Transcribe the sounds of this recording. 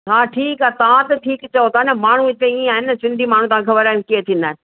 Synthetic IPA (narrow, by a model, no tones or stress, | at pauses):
ɦãːʈʰiːkaːt̪ɐãt̪ɐʈʰiːkt͡ɕɐot̪ʰaːnɐmaːɳ̤ũɪt̪ẽĩːaːɦɪnsɪ̃nd̪ʱimaːɳ̤ũt̪ɐʋ̤ãkʰeʋɐɾaːũkiet̪ʰĩːnd̪aːɦn